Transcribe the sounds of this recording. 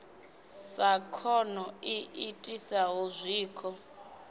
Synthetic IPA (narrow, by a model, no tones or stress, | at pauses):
sakʰɔnɔiʔitʼisaɦuzʷiːkʰɔ